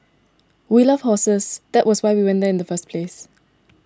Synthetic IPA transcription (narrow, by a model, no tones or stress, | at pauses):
wilʌv̥hɔsəsd̥ɛʔ̚wʔɔswaɪwiwɛ̃ndɛɪ̃ndəfəspʰles